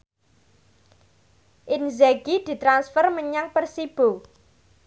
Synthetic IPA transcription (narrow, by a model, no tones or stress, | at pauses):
ʔɪnzɛɡid̪̥i̤t̪ɾansfərməɲaŋpərsib̥o